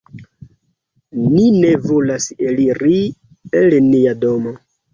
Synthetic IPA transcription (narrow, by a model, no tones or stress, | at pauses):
nine̞volaseliɾi | elniado̞mo